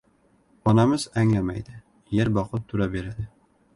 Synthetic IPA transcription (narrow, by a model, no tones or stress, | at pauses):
ɒnamɪzæŋlamajd̪ɪ | jeɾbɒqlˠɨp̚t̪ʰʊɾabeɾad̪ɪ